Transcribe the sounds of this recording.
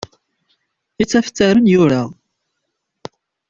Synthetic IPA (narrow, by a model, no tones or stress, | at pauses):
it͡sːæft͡s̪ːəɾənjʊɾa